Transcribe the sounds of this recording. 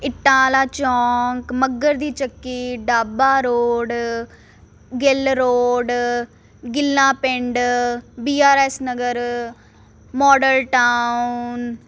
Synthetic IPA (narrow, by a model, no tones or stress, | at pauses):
ɪʈːãːlaːt͡ʃɔːŋkməɡəɾd̪iːt͡ʃəkːiːɖaːbaːɾoːɖ | ɡɪlɾoːɖ | ɡɪlːãːpɪɳɖbiːaːɾɛːsnəɡəɾ | mɔːɖəlʈaːun